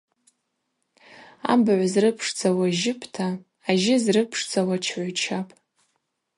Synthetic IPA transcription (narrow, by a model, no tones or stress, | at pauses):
a̰mbʕʷazrɨpʰʂt͡sʰʼawaʒɪpʰtʰaː | ʒɪzrɨpʰʂt͡sʰʼawat͡ʃʰʕʷat͡ʃʰapʼ